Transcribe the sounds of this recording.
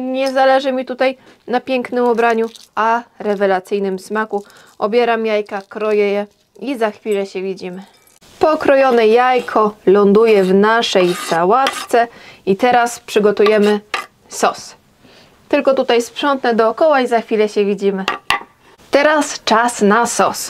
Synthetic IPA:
ɲɛzalɛʐɘmʲit̪ut̪aj | napʲjɛŋknɘmɔbɾaɲuaɾɛvɛlat̪sɘjnɘmsmaku | ɔbʲjɛɾamjajkakɾɔjɛjɛ | izaxfʲilɛɕɛvʲid͡ʑimɘ | pɔkɾɔjɔnɛjajkʰɔlɔnd̪ujɛvnaʂɛjsawat̪t̪sɛit̪ɛɾaspʂɘɡɔt̪ujɛmɘ | sɔs | t̪ɘlkɔt̪ut̪ajspʂɔnt̪nɛd̪ɔːkɔwaizaxfʲilɛɕɛvʲid͡ʑimɘ | t̪ɛɾast͡ʂasnasɔs

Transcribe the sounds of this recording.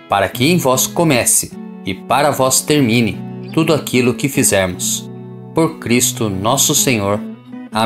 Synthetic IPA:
paɾɐkɪẽj̃vɔskõmɛsɪ̥ | ɪpaɾɐvɔst̪eɾmĩnɪt̪ud̪ʊakilʊkɪfizɛɾmʊs | poɾkɾist̪ʊnɔsʊsẽɲoɾ | a

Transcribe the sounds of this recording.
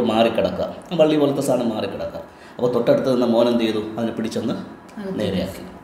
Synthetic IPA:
maːrikʲːɐɽɐkːa̰ːmaːʋɐɭːibolːɐt̪ːɐsaːɳɐmaːrikʲːɐɽɐkːa̰ːm | ɐpːoːt̪oʈːeɽut̪ːɨðenːɐmo̞ːnɐmt͡ɕ̪ejðuɐðinɨpiɽit͡ɕːenːɨ | ne̞ːɾɐja̰ːkːi

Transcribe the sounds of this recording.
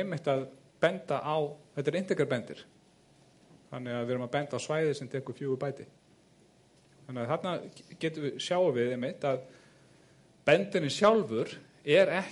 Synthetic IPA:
ɛmɪht̪aðpɛnt̪aʔawθɛht̪aɾejn̥t̪ɪkɾaɾpɛnt̪ɪ̰ɾ̥ | θanːɪɣaðvɛːɾʏmaðpɛnt̪aːwsvaːjðɪsɛmt̪ʰɛːkʏ̥fjuːɣʏpaːjt̪ɪ | θanːɪaθat̪nacɛːt̪ʏvɪsjaːwɾvɪðemɪht̪að | pɛnt̪ɪnːɪsjawlvʏɾ̥ | ɛɾɛh

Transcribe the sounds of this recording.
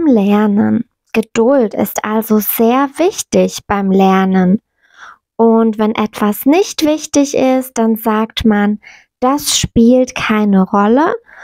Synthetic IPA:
ɪmlɛɐnən | ɡ̥əd̥ʊltɪ̰stʔalzoz̥eːɐvɪçtɪçb̥aɪmlɛɐnən | ʔʊntv̥ɛnʔɛtv̥asnɪçtv̥ɪçtɪçɪst̚d̥anzaːktman | d̥asʃpiːltkʰaɪnəʁɔlə

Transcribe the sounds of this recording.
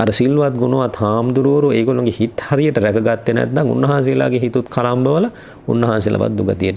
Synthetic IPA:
aɾəsilːuʋat̪ɡunuʋat̪haːmd̪uɾuʋoɾueːɡolːoŋɡehit̪haɾijəʈəɾækɐɡat̪ːenæ̰t̪d̪aŋṵnːɐɦaːns̬ijla̰ːɡeɦit̪ut̪kʰalambəʋəlɐ | ṵnːɐɦansila̰ʋa̰t̪̚d̪uɡat̪ijeʈ

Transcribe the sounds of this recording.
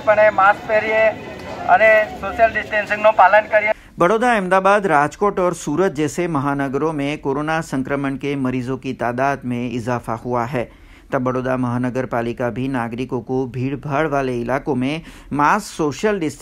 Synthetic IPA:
pəɳ̃emaːskpeɾieə̰nesoːʃjəlɖɪsʈẽnsɪ̃ŋnõpaːlənkəɾie | bɐɽoːd̪aɛ̃ːmd̪aːbaːd̪ɾaːd͡ʒkoːʈɔːɾsuːɾət̪̚d͡ʒɛːsemɐɦaːnəɡəɾõmẽkoːɾoːnasɐ̃ŋkɾəməɳkemɐɾiːzõkit̪aːd̪aːd̪mẽɪzaːfahuaɦɛː | t̪ɐbːɐɽoːd̪amɐɦaːnəɡəɾpaːlɪkabʱinaːɡɾɪkõkobʱiːɽbʱəɽʋaːleɪlaːkõmẽ | maːsksoːʃjəlɖɪsʈ

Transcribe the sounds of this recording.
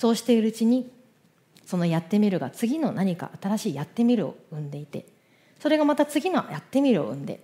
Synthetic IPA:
so̞ːɕi̥t̪e̞iɾɯ̟ɯt͡ɕiɲ̟i | so̞no̞jat̪ːe̞mʲiɾɯ̟ɡa̰t͡sɨɡʲino̞naɲ̟ika̰ʔat̪aɾaɕiːjat̪ːe̞mʲiɾɯ̟o̞̰ɯ̟̃nd̪e̞it̪e̞̰ | so̞ɾe̞ɡamat̪at͡sɨɡʲino̰jat̪ːe̞mʲiɾɯ̟oɯ̟̃nd̪e̞̰

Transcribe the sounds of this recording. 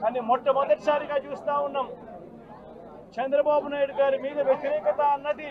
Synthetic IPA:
kaːnimɔt̪ːɐmɔd̪ɐʈisaːɾiɡaːt͡ʃuːst̪aːunːɐːm | t͡ʃɛnd̪ɾɐbaːbunaːjiɽuɡaːɾumiːd̪ɐʋjet̪iɾɛːkɐt̪ɐɐnːɐd̪i

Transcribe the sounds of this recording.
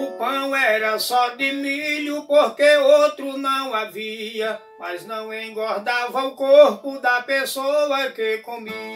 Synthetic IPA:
ʊpɐ̃w̃ɛɾɐsɔd̪ɪmiʎʊpoɾkeowt̪ɾʊnɐ̃w̃aviɐ | maznɐ̃w̃ẽj̃ɡɔɾd̪avɐʊkoɾpʊd̪ɐpesoɐkekõmi

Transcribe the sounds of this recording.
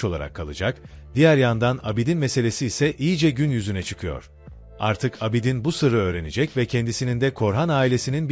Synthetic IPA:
o̞lˠa̰ɾa̰kʰːalˠɯd͡ʒakd̪̥ijæɾjand̪anabid̪inmɛse̞lʲe̞siːsɛʔijid͡ʒɛɟynjyzynɛt͡ʃʰɯ̥kʰɯjo̞̰ɾ̥ | a̰ɾt̪ʰɯkʰabid̪inbusɯɾɯø̞ːɾened͡ʒɛcvɛcʰɛnd̪isinind̪ɛkʰo̞ɾɦanaːilʲe̞sininb

